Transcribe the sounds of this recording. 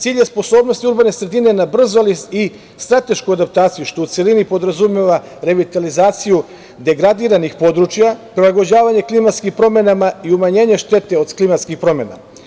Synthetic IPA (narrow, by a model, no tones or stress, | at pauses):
t̪siːʎjespo̞so̞ːbnost̪iuɾbane̞sɾe̞d̪inenabr̩zolisi | st̪ɾat̪e̞ʃkuad̪ap̚t̪aːt̪sijuʃt̪o̞ut̪se̞linipo̞d̪ɾazumeʋa | ɾe̞ʋit̪alizaːt̪siju | d̪e̞ɡɾad̪iɾanixpo̞d̪ɾut͡ʃjapɾilˠaɡo̞d͡ʑaːʋaɲe̞klimat̪skimpɾo̞me̞namaiumaɲe̞ːɲe̞ʃt̪e̞t̪e̞o̞d̪klimat̪skixpɾo̞me̞na̰